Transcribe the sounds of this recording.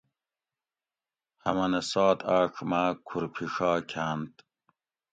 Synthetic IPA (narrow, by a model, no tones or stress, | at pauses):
hɐmɐnesɑːt̪aːʂmaːkʰuɾpʰiʂɑːkʰaːnt̪